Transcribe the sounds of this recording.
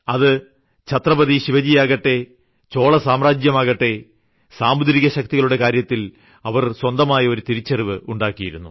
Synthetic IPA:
ɐðɨ | t͡ɕʰɐt̪rɐbɐðiɕiʋɐd͡ʑijaːɣɐʈːe̞ | t͡ɕo̞ːɭɐsaːmraːd͡ʑjɐmaːɣɐʈːe̞ | saːmud̪ɾiɣɐɕɐk̚t̪iɣɐɭuɽe̞kaːɾjɐt̪ːil | ɐʋɐrswɐnd̪ɐmaːjɐo̞ɾut̪iɾit͡ɕːɐriʋɨuɳɖaːkːijiɾṵnːu

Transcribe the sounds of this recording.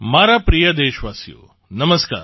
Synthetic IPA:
maːɾapɾijɐd̪eːʃʋaːsjo̰ː | nɐməska̰ːɾ

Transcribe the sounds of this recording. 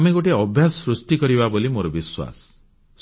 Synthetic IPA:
meɡoʈeɔbʱjasɾust̪ikɔɾiβabolimoɾɔbiswa̰s

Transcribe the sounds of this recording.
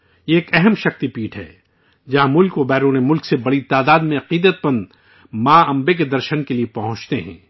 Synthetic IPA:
eːkɛɦəmʃɐxt̪ipiːʈʰɦɛ̰ː | d͡ʒɐɦãmʊlkobɛːɾuːnemʊlksebɐɽit̪aːd̪aːd̪mẽɐqiːd̪ət̪̚pɐn | maːɐ̃mbek̬ed̪ɐɾʃənkeliepɐɦʊ̃t͡ʃt̪eɦɛ̰̃ː

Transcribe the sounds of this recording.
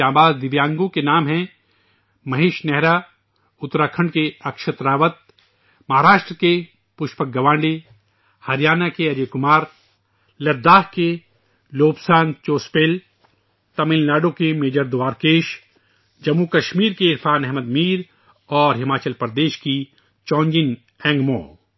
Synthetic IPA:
ãːbaːd̪d̪ɪʋjãːŋɡõkenaːmɦɛ̃ | mɐɦeːʃnɛɦɾa | ʊt̪ɾaːkʰə̃ɳɖkeɐkʃət̪ɾaːʋət̪̚ | mɐɦaːɾaːʃʈɾəke | pʊʃpək̚ɡɐʋãːɳɖe | hɐɾijaːnakeɐɾeːkʊmaːɾ | lɐd̪ːaːɦke | loːpsaːnt͡ʃoːspeːl | t̪ɐmɪllaːɖokemeːd͡ʒəɾd̪ʊʋaːɾkeːʃ | d͡ʒɐmːukɐʃmiːɾkeɪɾfaːnɛɦməd̪miːɾ | ɔːɾɦɪmaːt͡ʃəlpɐɾd̪eːʃki | t͡ʃɔ̃ːɲd͡ʒɪn | ɛ̃ːŋɡmõ̰ː

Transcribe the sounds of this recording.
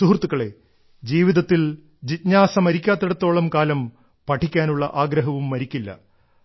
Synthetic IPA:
suɦrt̪ːukːɐɭe̞ | d͡ʑiːʋiðɐt̪ːil | d͡ʑit̪ɲaːsɐmɐɾikʲːaːt̪ːeɽɐt̪ːo̞ːɭɐmkaːlɐm | pɐʈʰːikʲːaːnuɭːɐʔaːɡɾɐɦɐʋumːɐɾikʲːilːɐ̰

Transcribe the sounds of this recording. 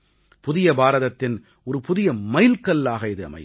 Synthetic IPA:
pʊðɪjɐbaːɾɐðɐt̪ːɪn | ɔɾɯpʊðɪjɐmɐɪlkɐlːaːɣɐɪðɯɐ̰mɐɪ

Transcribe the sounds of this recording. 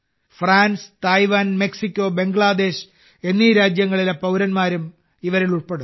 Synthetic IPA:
fraːnst̪ɐjʋaːnme̞ksikʲːo̞ːbe̞ŋɡɭaːd̪e̞ːɕ | e̞nːiːɾaːd͡ʑjɐŋːɐɭilepɐwɾɐnmaːɾum | iʋɐɾiɭuɭpe̞ɽu

